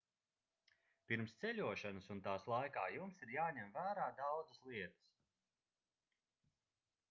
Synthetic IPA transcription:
piɾmst̪sɛʎʲuɔʃanəsunt̪aːslˠajkaːjumsiɾjaːɲɛmvæːɾaːd̪awd̪zəslˠiɛt̪ə̥s

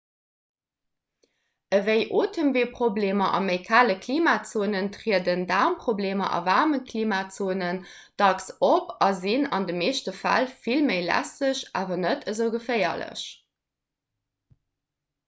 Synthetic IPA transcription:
əvəɪʔoːtʰəmveːpʁobleːmɐʔɑ̰məɪkʰaːləkʰliːmaːt͡soːnəntʁiədəndaːmpχobleːmɐ̰ʔɑ̰vaːʁməkʰliːmaːt͡soːnən | d̥ɑksopɑzinɑndəmeːɕtəfæ̰lfilməɪlæ̰səɕʔa̰ːvɐnətʰəzəʊɡəfɜɪɐ̰lə̰ɕ

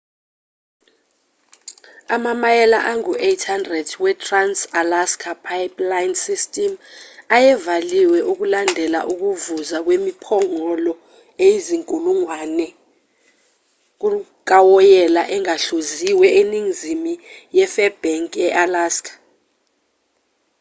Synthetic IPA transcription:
amamajɛlaʔaŋuʔetʰhandrɛdwɛtʰʼransalaskʰapʰajplajnsistʼɛmajɛvaliwɛʔuk̬ulandʱɛla̰ʔuk̬uvuzak̬wemipʰɔŋɔlɔ | ejiziŋkʼuluŋwanɛ | k̬u | k̬ʼawɔjɛlaʔɛŋaɬoziwɛeniŋizimijɛfɛb̥ɛŋkʼɛʔalaskʰḁ

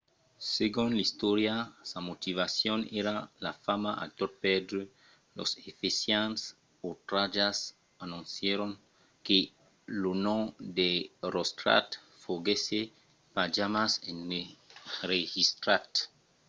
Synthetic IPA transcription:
seɡunlist̪oɾjasamot̪ivasjoneɾalafamaʔa̰t̪oɾ̚ped̪ɾu | lo̰sefesjans | ot̪ɾad͡ʒas | anũnsjeɾoŋ | ke | lunõd̪eɾost̪ɾa̰t̪ | foɡese | pad͡ʒamaseneɾehist̪ɾat̪

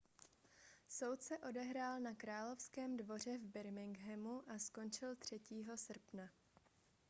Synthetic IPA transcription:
so̞wt̪sɛʔo̞dɛɦɾaːlnakɾaːlo̞fskɛːmdvo̞r̝ɛvbɪɾmɪŋɡɦɛmuʔasko̞nt͡ʃɪlt̪r̝̥ɛciːɦo̞sr̩pna

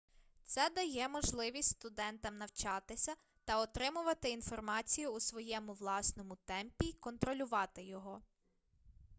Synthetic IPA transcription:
t̪sɛd̪ɐjɛmɔʒlˠɪʋʲisʲtʲst̪ʊd̪ɛnt̪ɐmnɐwt͡ʃɑt̪ɪsʲɐ | t̪ɐɔt̪ɾɪmʊʋɐt̪ɪinfɔrmɑt͡sʲijʊːsʋɔjɛmʊʋlˠɑsnɔmʊt̪ɛmpʲiːkɔnt̪ɾɔlʲʊʋɑt̪ɪjɔɦɔ

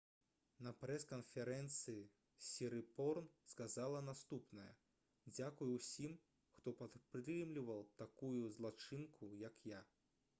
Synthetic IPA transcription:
nɐpɾɛskɐnfʲɛɾɛnt̪sɨji | sʲiɾɨpɔrnskazalˠɐnast̪upnɐjɐ̰ | d͡zʲakujuwsʲim | xt̪ɔpat̪pɾɨmlʲivɐlˠt̪akujuzlˠat͡ʂɨnkujɐkja

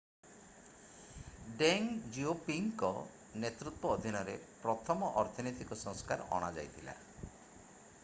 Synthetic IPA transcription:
ɖeŋd͡ʒiopiŋkɔ | net̪ɾut̪wɔːd̪ʱinɔɾepɾɔt̪ʰɔmɔʔɔɾt̪ʰɔnit̪ikɔsɔŋskaɾɔ̰ɽ̃ad͡ʒa̰jt̪ʰila̰

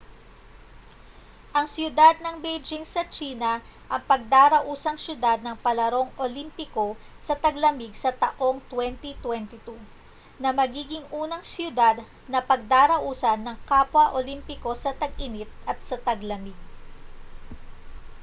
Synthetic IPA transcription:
ʔɐŋsjʊd̪ad̪̚nɐŋbejd͡ʒɪŋsɐt͡ʃiːnɐʔɐŋpɐɡ̚d̪aːɾɐʔuːsɐŋsjʊd̪ad̪̚nɐŋpɐlɐɾo̞ŋʔolimpɪko̞ | sɐt̪ɐɡlɐmɪɡsɐt̪ɐʔo̞ŋt̪wɛnt̪it̪wɛnt̪ɪt̪u | nɐmɐɡiːɡɪŋʔuːnɐŋsjʊd̪ad̪ | nɐpɐɡ̚d̪aːɾɐʔuːsɐnːɐŋkapwɐʔolimpɪko̞sɐt̪ɐɡʔɪnɪt̪̚ɐt̪̚sɐt̪ɐɡlɐmɪɡ̚

